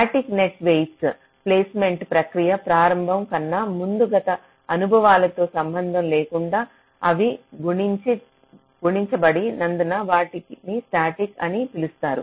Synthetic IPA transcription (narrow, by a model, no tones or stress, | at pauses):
sʈaːʈikneʈʋejʈs | pleːsme̞ɳʈpɾɐkɾijɐpɾaːɾɐmbʱɐmkɐnːɐmund̪uɡɐt̪ɐ | ɐnubʱɐʋaːlɐt̪o̞ːsɐmbɐnd̪ʱɐmleːkuɳɖaː | ɐʋiɡuɳit͡ʃi | ɡuɳiɲt͡ʃɐbɐɽinɐnd̪unɐʋaːʈiknisʈaːʈikɐnipilust̪aːɾṵ